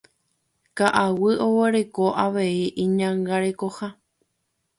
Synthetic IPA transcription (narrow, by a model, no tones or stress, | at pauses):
kaʔawɨo̞weɾe̞ko̞ʔaʋeiʔĩɲãŋɡaɾe̞ko̞ha